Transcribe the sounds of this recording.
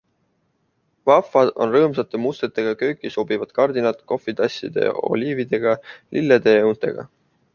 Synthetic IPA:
vɑfːˑɑd̪̥o̞̰nrɤːmsɑt̪ːˑe̞must̪e̞t̪ːˑe̞ɡ̥ɑkø̞ːkːiso̞bivɑd̪̥kɑrd̪inɑt̪ko̞fˑit̪ɑsʲːḭd̪̥e̞̰o̞̰lʲiːvid̪̥e̞ɡ̥ɑlʔilːed̪e̞eunt̪ːˑe̞̰ɡ̥ɑ̰

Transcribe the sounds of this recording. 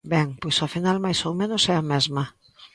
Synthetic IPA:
bɛŋpojsafinalmajsowmẽnosɛamɛzmɐ

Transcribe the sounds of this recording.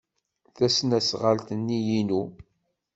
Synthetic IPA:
θæsnæsʁəlt̪ənːijinu

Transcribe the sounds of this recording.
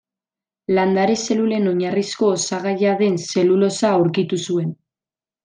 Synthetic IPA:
land̪aɾese̞lule̞no̞ɲarisko̞ːsaɣaʎaðe̞nse̞lulo̞saːwɾkit̪usue̞n

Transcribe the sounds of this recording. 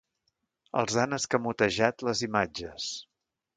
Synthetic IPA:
ə̰lˠzanəskəmut̪əʒat̪ləzimad͡ʒəs

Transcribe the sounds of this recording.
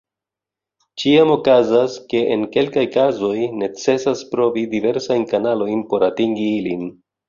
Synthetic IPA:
t͡ʃiamo̞kazaske̞ʔenke̞lkajkazo̞jne̞t͡se̞saspɾo̞vidive̞ɾsajnkanalo̞jnpo̞ɾatiŋɡiilin

